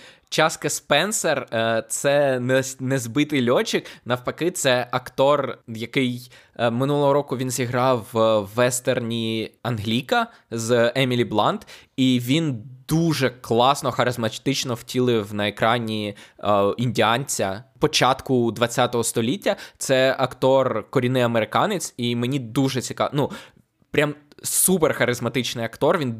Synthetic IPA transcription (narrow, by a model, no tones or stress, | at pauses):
t͡ʃɑskɐspɛnsert̪sɛnnɛzbɪt̪ɪjlʲɔt͡ʃɪknɐwpɐkɪt̪sɛʔɐkt̪ɔrjɐkɪj | mɪnulˠɔɦɔɾɔkʊʋʲinzʲiɦɾɑwːɛst̪ernʲiɐnɦlʲikɐ | zɛmʲilʲiblˠɑnd̪iʋʲind̪uʒɛklˠɑsnɔxɐɾɪzmɐt̪ɪt͡ʃnɔwtʲilˠɪwnɐekɾɑnʲi | inʲdʲiɑnʲt͡sʲɐpɔt͡ʃɑt̪kʊd̪ʋɐt͡sʲːat̪ɔɦɔst̪ɔlʲitʲːɐt̪sɛɐkt̪ɔrkɔɾʲinɪɐmeɾɪkɑnɪt͡sʲimenʲid̪uʒɛt͡sʲikɑnu | pɾʲamsuperxɐɾɪzmɐt̪ɪt͡ʃnɪjɐkt̪ɔrʋʲin